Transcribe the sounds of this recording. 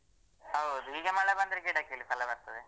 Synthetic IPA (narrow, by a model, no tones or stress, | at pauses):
ɦɐwd̪uɦiːɡemɐɭebɐnd̪ɾekiːʈakelipʰɐlɐbɐɾt̪ɐd̪e